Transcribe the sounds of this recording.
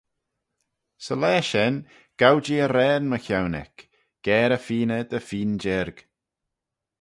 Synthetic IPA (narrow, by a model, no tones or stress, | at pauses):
səlɛːʃɛn | ɡ̥awd͡ʒiəɾɛːnməçawnɛ̰k | ɡ̥ɛːɾəfiːnəd̪əfiːnd͡ʒɪɾɡ̥